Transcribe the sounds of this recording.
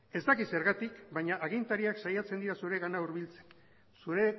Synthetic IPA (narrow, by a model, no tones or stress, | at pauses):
e̞zd̪akise̞ɾɣat̪ikbaɲaʔaɣ̞int̪aɾiaksajat͡send̪iɾasuɾe̞ɣanauɾβilt͡se̥n | suɾe̞